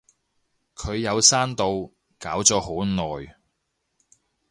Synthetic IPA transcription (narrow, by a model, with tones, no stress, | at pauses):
kʰɵ˨˧ɥjɐ˨˧wsaː˥nt̪o˨˧w | kaː˨˥wt͡sɔː˨˥ho˨˥wnɔː˨j